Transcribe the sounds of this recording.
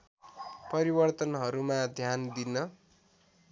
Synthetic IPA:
pʌɾibʌrt̪ʌnɦʌɾumad̪ʱjand̪inʌ

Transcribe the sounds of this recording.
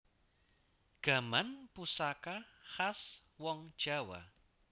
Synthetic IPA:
ɡ̥a̤manpusakaxaswɔŋd̥ʒ̥a̤wa̰

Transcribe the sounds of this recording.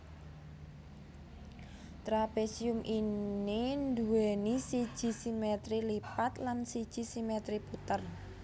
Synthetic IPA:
t̪ɾapesiʊmʔinind̪uɛnisid̥ʒ̥i̤simet̪ɾilipat̪lansid̥ʒ̥i̤simet̪ɾiput̪ər

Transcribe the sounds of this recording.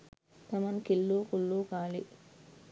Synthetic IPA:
t̪ɐmɐnkilːuːkulːuːkaːlḭ

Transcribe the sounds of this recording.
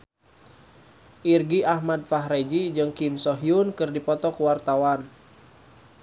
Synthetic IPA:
ʔirɡiʔahmad̚faɦɾed͡ʒid͡ʒɨŋkimsɔɦiunkɨrdipɔt̪ɔkuwart̪awan

